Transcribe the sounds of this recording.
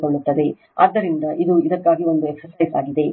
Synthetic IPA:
koɭːut̪ːɐd̪e̞ | a̰ːd̪ːɐɾind̪ɐʔid̪uid̪ɐkːaːɡio̞nd̪ueksɐsɐjsaːɡid̪e̞

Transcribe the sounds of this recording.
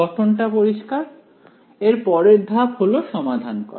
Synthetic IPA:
ɔʈʰonʈapoɾiʃkaɾ | eɾpɔɾeɾd̪ʱabholoʃɔmad̪ʱankɔ̰

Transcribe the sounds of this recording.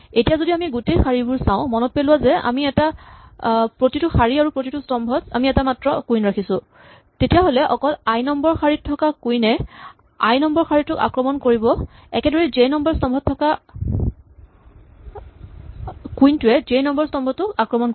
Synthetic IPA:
etijazodiamiɡutejxaɹibʊɹsãʊ̃mɔnɔt̚pelʊwazɛa̰miɛta | pɹotitʊxaɹiaɹupɹotitʊstɔmbʱɔta̰miɛtamatɹɔkujnɹakʰisʊ̃ | tetijaɦolɛʔɔkɔlajnɔmbɔɹxaɹitʰːɔkakujnɛ | ajnɔmbɔɹxaɹitʊka̰kɹɔmɔnkoɹibɔ | ɛ̰kɛdɔɹɛzejnɔmbɔɹstɔmbʱɔtʰːɔka | kujntʊɛzejnɔmbɔɹstɔmbʱɔtʊkakɹɔmɔnko

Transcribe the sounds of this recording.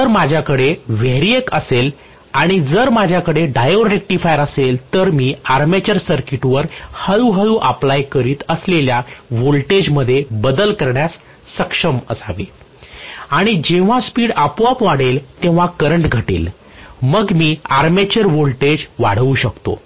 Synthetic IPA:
əɾmad͡ʑʱjakəɽeʋeɾiekəsel | aɽ̃id͡zəɾmad͡ʑʱjakəɽeɖajoɾek̚ʈifajəɾəselt̪əɾmiːaɾmet͡ɕəɾsəɾkiʈʋəɾhəɭuɦəɭuʔəplajkəɾiːt̪əsleljaʋolʈed͡ʑməd̪ʱːjebəd̪əlkəɾɳjasː | əkʂəmə̰saʋḭ | aɽ̃id͡ʑeʋ̤ãspiːɽəpʋapʋaɽ̤elt̪ẽʋ̤akəɾəɳʈɡʱəʈḭːl | məɡmiːaɾmet͡ɕəɾʋolʈed͡ʑʋaɽ̤ʋuːɕəkt̪o̰

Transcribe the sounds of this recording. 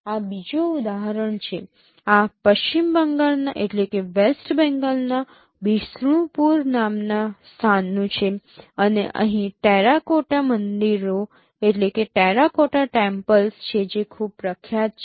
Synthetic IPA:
abid͡ʒoud̪aɦəɾəɳt͡ʃʰe | apəʃt͡ɕimbəŋɡalnaʔeʈlekeʋesʈbɛ̃ŋɡalna | bisɾũpuɾnamnast̪ʰanːũt͡ʃʰeəneʔə̰ɦĩʈɛɾakoʈamənd̪iɾo | eʈlekeʈɛɾakoʈaʈɛ̃mpəlst͡ʃʰed͡ʒekʰuːbpːɾəkʰjat̪̚t͡ʃʰ

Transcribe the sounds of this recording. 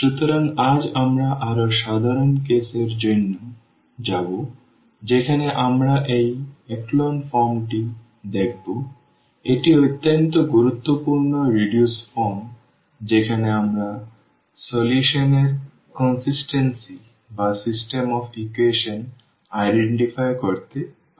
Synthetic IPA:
ʃut̪oɾaŋad͡ʑamɾaʔaɾoʃad̪ʱaɾonkeseɾd͡ʑonːo | d͡ʑabo | d͡ʑekʰaneʔamɾaʔejɛklonfɔɾmʈi | d̪ekʰbo | eʈiot̪ːont̪oɡuɾut̪ːopuɾnoɾiɖjusfɔɾm | d͡ʑekʰaneamɾa | soljuʃoneɾ | kɔnsisʈensi | basisʈemɔfʰikuweʃon | ajɖeɳʈifajkoɾt̪e

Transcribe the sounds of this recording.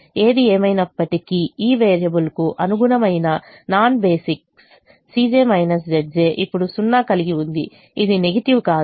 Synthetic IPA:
e̞ːd̪ieːmɐjnɐpːɐʈikiiːʋeːɾijɐbulkuʔɐnuɡuɽɐmɐjnɐ | naːnbe̞ːsiksː | iːd͡ʒeːmɐjnɐs̬d͡ʒɐd͡ʒeːʔipːuɽusunːaːkɐliɡiund̪i | id̪ine̞ɡɐʈiwkaː

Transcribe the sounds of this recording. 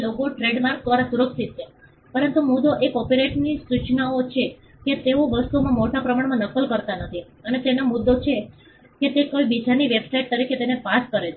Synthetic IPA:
lokoʈɾeɖmaɾk̚d̪ʋaɾasuɾəksit̪̚ʃʰe | pəɾənt̪umud̪oʔekɔpeɾeʈnisut͡ʃnaot͡ʃʰe | ket̪eoʋəst̪umãmoʈapɾəmaɳmãnəkːəlkəɾt̪anət̪ʰi | ənet̪enamʊd̪ːot͡ʃʰe | ket̪ekoibid͡ʒaniʋebsaiʈ̚t̪əɾikʰet̪enepaskəɾet͡ʃʰ

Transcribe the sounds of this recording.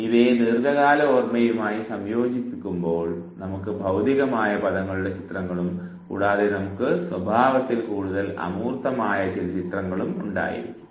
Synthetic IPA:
iʋeːnirɡɐɣaːlɐormɐjumaːjisɐmjo̞ːd͡ʑipːikʲːumbo̞ːɭnɐmukːɨbʱɐwd̪iɣɐmaːjɐpɐðɐŋːɐɭuɽe̞t͡ɕit̪rɐŋːɐɭum | kṵːɽaːðenɐmukːɨswɐbʱaːʋɐt̪ːilkuːɽuðɐlɐ̰muːrt̪ːɐmaːjɐt͡ɕilt͡ɕit̪rɐŋːɐɭumuɳɖa̰ːjḭ

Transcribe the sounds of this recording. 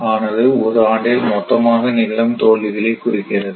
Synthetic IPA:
aːnɐðɯɔɾɯaːɳɖɪlmɔt̪ːɐmaːɣɐnɪlːɐmt̪oːɭːɪɣɐɭekːʊrɪkːɪrɐðɯ

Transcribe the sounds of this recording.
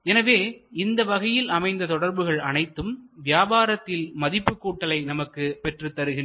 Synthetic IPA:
ɛnɐʋeːɪnd̪ɐʋɐɣɐjɪlɐmɐɪnd̪ɐt̪ɔɽɐɾbɯɣɐɭɐnɐɪt̪ːɯmʋɪjaːbaːɾɐt̪ːɪlmɐðɪpːɯkːuːʈːɐlɐɪnɐmɐkːɯpɛʈrɯt̪ːɐɾɯɣɪn

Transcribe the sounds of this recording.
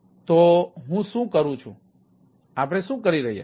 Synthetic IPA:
t̪oɦũʃũkəɾũt͡ʃʰṵ̃ | aːp̬ɽ̃esũkəɾiɾəɦija̰

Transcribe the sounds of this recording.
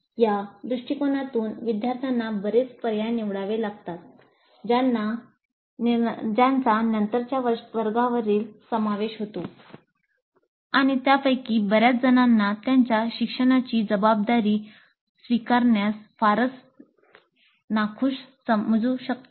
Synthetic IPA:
jad̪ɾuʂʈikonat̪uːnʋid̪jaɾt̪ʰjanːabəɾet͡spəɾjajniʋɽaʋelaɡt̪at̪̚ | d͡ʑana | d͡ʑant͡sanənt̪əɾt͡ɕjaʋəʋəɾɡaʋəɾiːlsəmaʋeɕɦot̪o | aɽ̃it̪japəjkiːbəɾjat͡sd͡zənanːat̪jaɲt͡ɕjaɕikʂəɽ̃at͡ɕiːd͡zəbab̚d̪aɾiː | sʋikaɾɳjasfaɾət͡s | nakʰũːɕsəməd͡zũɕək̚t̪

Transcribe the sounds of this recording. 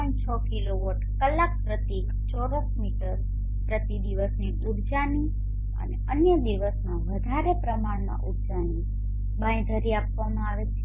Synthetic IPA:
ənt͡ʃʰəkiloʋəʈkəlːak̚pɾət̪ek | t͡ʃɔɾəsmiʈəɾ | pɾət̪id̪iʋəsniʔuɽd͡ʒani | ə̰neənjəd̪iʋəsmãʋəd̪ʱaɾepɾəmaɽmã̰ʔuɽd͡ʒani | bãj̃d̪ʱəɾiapʋamãaʋet̪ʰe

